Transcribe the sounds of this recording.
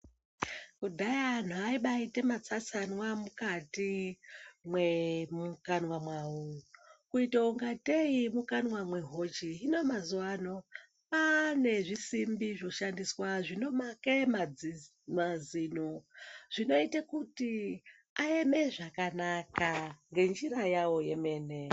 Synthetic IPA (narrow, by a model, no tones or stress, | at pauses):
kudʱajaan̤uaiɓaite̞mat͡sasanwamukati | mwemukanwamwaukuitauŋɡateimukanwamwe̞ɦot͡ʃiɦinomazuwano̞ | pane̞ʐisimbiʐo̞ʃandiswaʐino̞makemad͡zi | maziːnoʐ̥ino̞itekuti | aeme̞ʐakanakaŋɡe̞nd͡ʒirajawo̞jeme̞ːne̞